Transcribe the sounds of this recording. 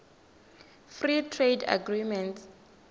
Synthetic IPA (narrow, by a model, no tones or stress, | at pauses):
fritʰreda̰ɡrimɛnts